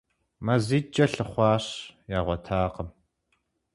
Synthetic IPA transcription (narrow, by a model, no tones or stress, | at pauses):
mɐziːt͡ʃʼɐɬɨχʷɑːɕjaːʁʷɔtʰaːqəm